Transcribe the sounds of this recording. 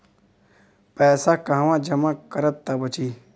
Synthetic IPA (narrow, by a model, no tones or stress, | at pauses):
pɛːsakãɦʋãːd͡ʒɐmãkəɾəb̚t̪abət͡ʃiː